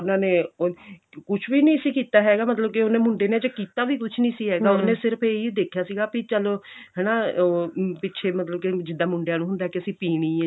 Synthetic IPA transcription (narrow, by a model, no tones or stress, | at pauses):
ʊnãːneː | kʊt͡ʃʰʋiːnĩːsiːkiːt̪aːɦɛːɡaːmət̪ləb̚kɪonẽːmʊɳɖeːneːd͡ʒəkiːt̪aːʋiːkʊt͡ʃʰnĩːsiːɦɛːɡaːoːnẽːsɪɾpʰeiːd̪eːkʰjaːsiːɡaːpɪt͡ʃəloːɦɛːnãː | pɪtːʃʰeːmət̪ləb̚kɪd͡ʒɪd̪ːãːmʊɳɖejãːnũːɦʊnd̪aɦɛːkɪəsĩːpiːɽ̃iː